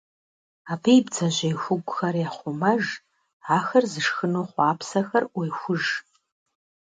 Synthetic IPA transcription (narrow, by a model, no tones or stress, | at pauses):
apʰejbd͡zɐʑʷɐjxʷʊɡʷʼʊxɐrjaχʷʊmɐʒ | aːxɐrzɨʂxɨnoχʷaːpʰsɐxɐrwejxʷʊʒ